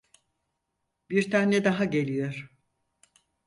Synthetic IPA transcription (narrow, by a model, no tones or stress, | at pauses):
biɾt̪ʰanːɛd̪aɦaɟe̞lʲijo̞ɾ̥